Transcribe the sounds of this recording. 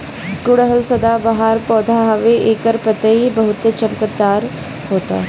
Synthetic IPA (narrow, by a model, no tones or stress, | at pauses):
kʊɽəɦəlsəd̪abɐɦaːɾpɔːd̪ʱaɦəʋeʔeːkəɾpət̪əibəɦut̪ət͡ʃəlkəd̪aːɾ | ɦoːt̪a̰ː